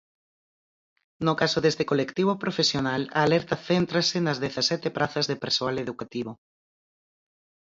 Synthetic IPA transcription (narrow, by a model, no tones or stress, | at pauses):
nokasoðest̪ekolekt̪iβopɾofesjonala̰ːlɛɾt̪ɐθent̪ɾasenɐzðeθasɛt̪epɾʔaθɐzðepeɾsoaleðukat̪iβ̞o